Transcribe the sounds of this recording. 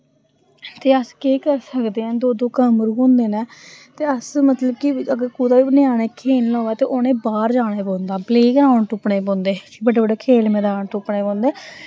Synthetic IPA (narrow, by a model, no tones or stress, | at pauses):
t̪eːəskeːkəɾsəkd̪eːɛ̃ːd̪oːd̪õːkəmɾuõːnd̪eːneːt̪eːəsmət̪ləbkɪəɡəɾkuːd̪aːʋiːbənɪaːɽeːkʰeːnlõːɛːt̪eːʔoːnẽːbaːɾd͡ʒaːɽeːbõːnd̪aːbleːkɾaːɳʈʊpɳeːbõːnd̪eːbəɖeːbəɖeːkʰeːlmɛːd̪aːɳʈʊpɳeːbõːnd̪eː